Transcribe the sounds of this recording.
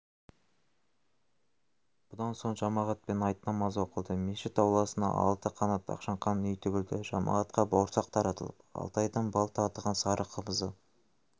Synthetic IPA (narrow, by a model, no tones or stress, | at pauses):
b̥ʊd̪ɑnso̞ɴʒɑmɑʁɑt̪̚pe̞nɑjt̪nɑmɑzwo̞qəlˠd̪əmeʃɪt̪ɑwlˠɑsənɑ̰ʔɑ̰lˠt̪əqʰɑnɑt̪ɑ̰qʃɑɴqɑnːʏjt̪ʰʏɡʲɪld̪ɪʒ̥ɑmɑ̰ʁɑt̪qɑbɑwɾsɑqt̪ʰɑɾɑt̪əlˠə̰pɑ̰lˠt̪ɑjd̪əɴbɑlˠt̪əɑt̪əʁɑnsɑɾəqʰəməzə